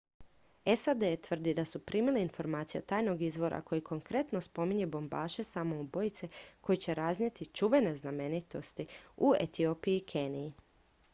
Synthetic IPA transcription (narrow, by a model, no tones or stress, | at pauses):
e̞sad̪et̪ʋr̩d̪id̪asupɾʔiːmiliinfo̞ɾmaːt̪sijeot̪aːjno̞ɡizʋo̞ɾʔa̰ko̞jiko̞ŋkɾe̞t̪no̞spo̞miɲe̞bo̞mbaːʃe̞samo̞ubo̞jit̪se̞ko̞jit͡ɕe̞ɾaznɲe̞t̪it͡ʃuʋe̞ne̞zname̞nit̪o̞st̪iuḛt̪io̞ːpiiːkʰe̞ːnii